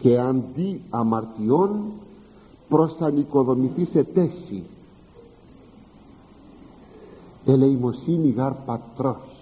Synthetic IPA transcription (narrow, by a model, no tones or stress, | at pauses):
keand̪iamaɾt̪ion | pɾɔsanikoðomiθiset̪esḭ | elejmosiniɣaɾpat̪ɾɔs